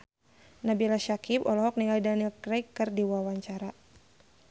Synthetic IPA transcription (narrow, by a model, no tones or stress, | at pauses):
nabilaʃakipɔlɔɦɔk̚niŋɡalidanilkɾajkːɨrdiwawaɲt͡ʃaɾa